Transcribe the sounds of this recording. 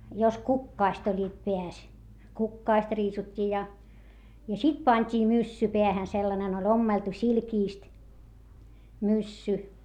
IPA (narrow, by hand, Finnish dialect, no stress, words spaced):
jos kukːɑːst olʲːiːt peæs kukːɑːst riːsutʲːiː jɑ jɑ sit pɑnʲtʲiː mysːy peæhæn selːɑnen ol omːeltu silkiˑst mysːy